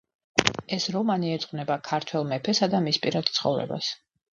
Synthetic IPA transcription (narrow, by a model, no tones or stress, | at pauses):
ɛsɾɔmaniɛt̪sʼqʼvnɛbakʰaɾt̪ʰwɛlˠmɛpʰɛsad̪amispʼiɾad̪̥̚t̪sʰχɔ̰vɾɛ̰ba̰s